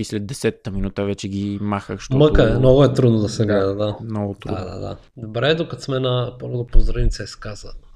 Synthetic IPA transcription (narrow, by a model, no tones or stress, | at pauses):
islɛd̪̚ːɛsɛt̪ːəminut̪əvɛt͡ʃɛɡʲimaxəxʃt̪ɔməkəɛmnɔɡʊɛt̪ɾud̪nod̪ɐsɛɡlɛd̪əd̪amnɔɡʊt̪ɾuda̰d̪a̰d̪a̰ | d̪obɾɛd̪okɐt̪smɛnɐpoɾod̪opozɾənit̪sɛɛskazɐ̰nə